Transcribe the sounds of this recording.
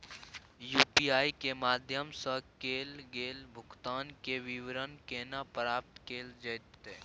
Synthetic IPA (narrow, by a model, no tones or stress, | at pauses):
juːpiːaːikemaːd̪ʱjəmsəkeːlɡeːlbʱʊɡt̪aːnkeʋɪʋɾənkeːnapɾaːp̚t̪keːld͡ʒəjt̪ːeː